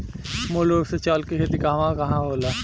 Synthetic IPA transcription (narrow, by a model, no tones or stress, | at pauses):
moloset͡ʃaːlkiɦet̪ikaʋãkɐɦãɦoːla